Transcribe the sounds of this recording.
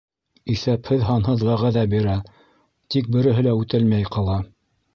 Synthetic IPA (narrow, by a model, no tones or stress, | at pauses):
iθæphɘðɦɑnɦɤðʁæʁæðæbiɾæ | t̪ik̚bɘ̆ɾɘ̆ɦɘ̆læʉt̪ælmæjqɑlˠɑ